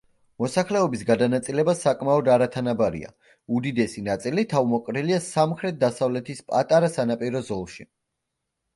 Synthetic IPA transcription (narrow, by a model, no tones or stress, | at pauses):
mɔsaχlɛɔbisɡad̪anat̪sʼilɛbasakʼmaɔd̪aɾat̪ʰanabaɾḭa̰ | ud̪id̪ɛsinat̪sʼilit̪ʰavmɔkʼɾiliasamχɾɛt̪̚ʰd̪asavlɛt̪ʰispʼa̰t̪ʼaɾasanapʼiɾɔzɔlˠʃi